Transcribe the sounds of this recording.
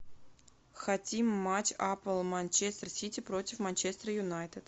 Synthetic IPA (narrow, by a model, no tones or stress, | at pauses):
xɐtʲimːat͡ɕapəlˠmanʲt͡ɕest̪rsʲitʲɪpɾotʲɪfmanʲt͡ɕest̪ɾəjʊnajt̪ɨt̪